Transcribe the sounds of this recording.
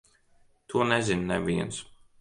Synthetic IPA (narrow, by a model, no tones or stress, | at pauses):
t̪ʰunɛzinːɛ̰viə̰ns